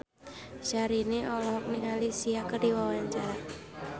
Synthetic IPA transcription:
ʃaɾineʔɔlɔɦɔk̚niŋalisiakərdiwawaɲt͡ʃaɾa

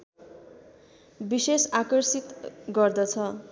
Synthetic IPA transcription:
bisesakʌrsit̪ɡʌrd̪ʌt͡sʰʌ

